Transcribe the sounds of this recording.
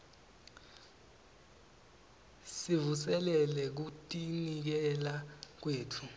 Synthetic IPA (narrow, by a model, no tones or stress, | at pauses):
sivusɛlɛlɛk̬utʼinik̬ɛlak̬weːtʰu